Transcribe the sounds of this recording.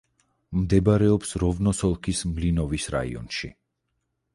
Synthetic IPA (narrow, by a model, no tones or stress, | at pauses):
md̪ɛbaɾɛɔpsɾɔvnɔsɔlˠkʰismlinɔvisɾa̰ḭɔ̰nʃḭ